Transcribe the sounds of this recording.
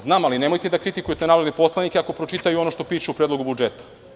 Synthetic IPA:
znaːmaline̞mo̞jt̪ed̪akɾit̪ikujet̪enaːɾod̪nepo̞slˠanikʲeako̞pɾo̞t͡ʃit̪ajuo̞noʃt̪o̞piːʃeupɾed̪lo̞ɡubud͡ʒet̪ḁ

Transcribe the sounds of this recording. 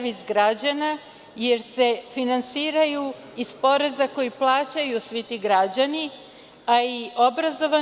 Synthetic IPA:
ʋizɡɾad͡ʑana | je̞ɾse̞finansiːɾaju | ispo̞ɾe̞zako̞jiplˠaːt͡ɕajusʋit̪iɡɾad͡ʑani | aio̞bɾazo̞ʋa

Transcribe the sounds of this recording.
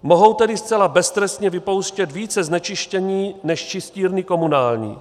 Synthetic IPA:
mo̞ɦo̞wt̪ɛdɪst͡sɛlabɛst̪ɾɛst̪ɲɛvɪpo̞wʃcɛt̪viːt͡sɛznɛt͡ʃɪʃcɛɲiːnɛʃt͡ʃɪsciːɾniko̞munaːlɲḭː

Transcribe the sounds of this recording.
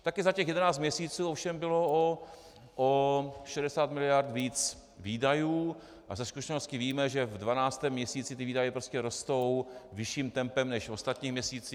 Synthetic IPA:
t̪akɪzacɛxjɛdɛnaːt͡st̪mɲɛsiːt͡suːofʃɛmbɪlo̞o | ʔoʃɛdɛsaːt̪mɪlɪjaɾt̪viːt͡s | viːdajuː | ʔazɛskuʃɛnost̪cɪviːmɛʒɛvdvanaːt͡st̪ɛːmːɲɛsiːt͡sɪt̪ɪviːdajɛpɾoscɛɾo̞st̪o̞wvɪʃiːmt̪ɛmpɛmnɛʃo̞st̪at̪ɲiːmɲɛsiːt͡si

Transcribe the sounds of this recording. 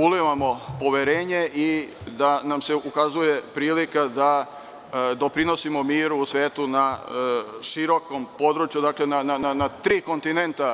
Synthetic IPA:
uliʋamo̞po̞ʋeɾe̞ːɲe̞ʔid̪anamseʔukazuje̞pɾiːlikad̪a | d̪o̞pɾino̞simo̞miːɾuːsʋe̞ːt̪una | ʃiɾo̞ko̞mpo̞d̪ɾut͡ʃjud̪aːkle̞nanananat̪ɾiːko̞nt̪inent̪a

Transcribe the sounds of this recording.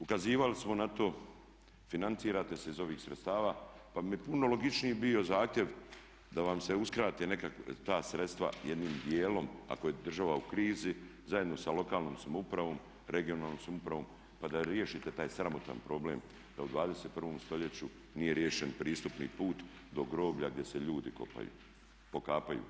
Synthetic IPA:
ukaziːʋalismo̞nat̪o̞ː | finant̪siːɾaːt̪e̞seizo̞ʋiːxsɾet̪st̪aːʋaːpamijepuno̞lo̞ɡit͡ʃniibio̞zaːxt̪ʲje̞ʋ | d̪aʋamse̞uskɾaːt̪ene̞kakt̪aːsɾe̞t̪st̪ʋa̰jed̪niːmd̪je̞ːlo̞ma̰ko̞jed̪r̩ʒaʋaukɾiːzizaje̞d̪no̞salo̞kaːlnoːmsamoupɾaʋo̞ːm | ɾe̞ɡio̞naːlˠnomsamupɾaʋo̞ːm | pad̪aɾje̞ʃiːt̪e̞t̪aːjsɾamot̪a̰npɾo̞ble̞ːm | d̪aud̪ʋaːd̪ese̞t̪̚pr̩ʋo̞ːmst̪o̞ʎe̞t͡ɕu | nije̞ɾje̞ːʃenpɾiːst̪upnḭpuːt̪ | d̪o̞ɡɾo̞ːbʎaɡ̚d̪je̞seʎuːd̪iko̞̰pa̰jṵː | po̞kaːpajṵ

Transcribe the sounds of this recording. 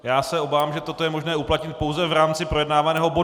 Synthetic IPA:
jaːsɛo̞baːvaːmʒɛt̪o̞t̪ojɛmo̞ʒnɛːuplat̪ɲɪt̪̚powzɛvɾaːmt͡sɪpɾojɛdnaːvanɛːɦo̞bo̞

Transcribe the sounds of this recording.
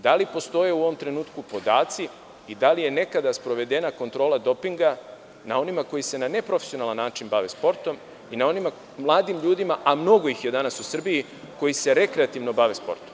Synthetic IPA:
d̪alipo̞st̪o̞je̞uo̞ʋo̞mt̪ɾe̞nuːt̪kupo̞d̪aːt̪si | id̪alije̞ne̞kad̪aspɾo̞ʋe̞d̪enako̞nt̪ɾo̞ːlad̪o̞piŋɡa | na̰o̞nimako̞jise̞nane̞pɾo̞fesijo̞nalˠanːaːt͡ʃinbaʋe̞spo̞ɾt̪o̞m | inao̞nima | mlˠaːd̪imʎuːd̪imaʔamno̞ɡo̞jixje̞d̪anasusr̩biji | ko̞jise̞ɾe̞kɾeat̪iʋno̞baʋe̞spo̞ɾt̪o̥m

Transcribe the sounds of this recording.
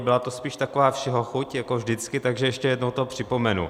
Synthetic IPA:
bɪlat̪ospiːʃt̪akovaːfʃɛɦoxucjakovʒdɪt͡skɪt̪aɡʒɛjɛʃcɛjɛdnowt̪oɦopr̥ɪpo̞mɛnṵ

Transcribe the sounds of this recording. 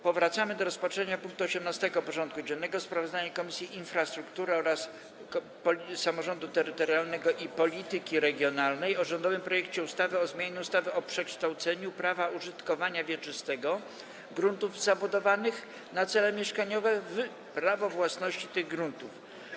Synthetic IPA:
pɔvɾat̪samɘd̪ɔɾɔspatʂɛɲapũŋk̚t̪uɔɕɛmnast̪ɛɡɔpɔʐɔnt̪̚kud͡ʑɛnːɛɡɔspɾavɔzd̪aɲakɔmʲisʲjiʔinfɾast̪ɾukt̪uɾɘɔɾas | pɔsamɔʐɔnd̪ut̪ɛɾɘt̪ɔɾjalnɛɡɔʔipɔlʲit̪ɘkʲiɾɛɡʲjɔnalnɛjɔʐɔnd̪ɔvɘmpɾɔjɛkt͡ɕɛust̪avɘɔzmʲjaɲɛust̪avɘɔpʂɛkʂt̪awt̪sɛɲupɾavauʐɘt̪kɔvaɲavʲjɛt͡ʂɘst̪ɛɡɔ | ɡɾunt̪uvzabud̪ɔvanɘx | nat̪sɛlɛmʲjɛʂkaɲɔvɛv | pɾavɔvwasnɔɕt͡ɕit̪ɘɣɡɾunt̪uf

